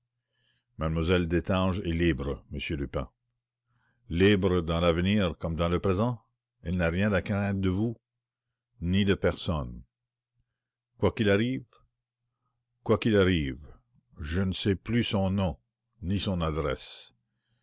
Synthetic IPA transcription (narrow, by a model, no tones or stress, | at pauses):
mad̪mwazɛld̪et̪ɑ̃ʒɛlibɾəməsjølypɛ̰̃ | libʁəd̪ɑ̃lavniːʁkɔmd̪ɑ̃ləpɾezɑ̃ | ɛlnaʁjɛ̃d̪akʁɛ̃td̪əvu | nid̪əpɛʁsɔn | kwakilaʁiːv | kwakilaʁiːv | ʒənəsɛplysɔ̃nɔ̃ | nisɔ̃nad̪ɾɛs